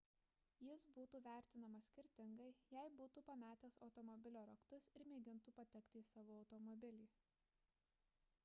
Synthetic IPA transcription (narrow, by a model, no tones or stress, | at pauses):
jɪsbuːt̪uːʋʲæˑɾʲt̪ʲɪnɐmɐsʲkʲɪɾʲt̪ʲɪŋɡɐɪjɛɪbuːt̪uːpɐmʲæːt̪ʲeːsɒʊt̪ɔmɔbʲɪlʲoːɾɐkt̪ʊsɪɾmʲeːɡʲɪnt̪uːpɐt̪ʲɛkt̪ʲɪsɑːʋoːɐʊt̪ɔmɔbʲɪlʲiː